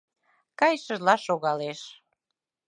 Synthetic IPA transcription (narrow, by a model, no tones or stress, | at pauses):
kɑjʃəʒlɑʃoɣɑleʃ